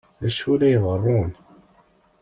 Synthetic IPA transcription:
ðæʃulæjðˤərˤːun

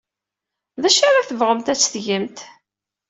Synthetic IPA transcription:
ðæʃaɾaθəvʁəmt̪æt͡sːθʝəmt̪

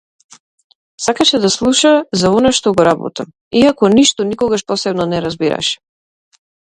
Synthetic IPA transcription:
sakaʃɛd̪aslˠuʃazaɔnaʃt̪ɔɡɔɾabɔ̰t̪am | iakɔniʃt̪ɔnikɔɡaʃpɔsɛbnɔnɛɾazbiɾa̰ʃɛ̥

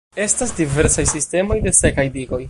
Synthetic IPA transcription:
e̞stasdive̞ɾsajsiste̞mo̞jde̞se̞kajdiɡo̞j

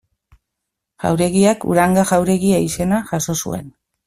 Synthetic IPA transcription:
ʝa̰wɾe̞ɣiakṵɾaŋɡaɣawɾe̞ɣiaise̞naʝaso̞sṵe̞̰n

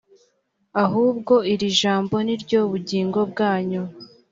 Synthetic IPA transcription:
aɦuːb̚ɡo̞iɾiʒaːmbo̞niɾɟo̞βuɟiːŋɡo̞bɡaːɲu

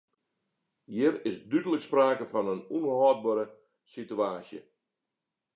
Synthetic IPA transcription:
hiəɾɪsdydələkspraːkəfɔnənunɦɔːt̚bəːɾə | sityaːsjə̰

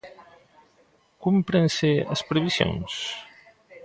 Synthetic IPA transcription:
kumpɾenseɐ̰spɾeβisjo̰ŋs

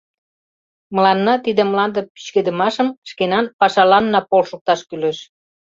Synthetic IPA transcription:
mə̆lɑnːɑt̪id̪ĕməlɑnd̪əpi̥t͡ɕked̪əmɑʃəmʃkenɑnpɑʃɑlɑnːɑpolʃok̚t̪ɑʃkyleʃ

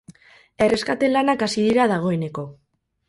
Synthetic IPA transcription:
e̞re̞skat̪e̞lanakasiðiɾaðaɣ̞o̞e̞ne̞ko̞

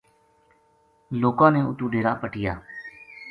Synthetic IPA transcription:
loːkãːneːʊ̰t̪uːɖeːɾaːpəʈɪjaː

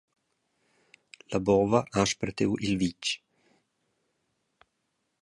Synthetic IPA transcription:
labɔːvaʔaʃpɾet̪ewʔilvit͡ʃː

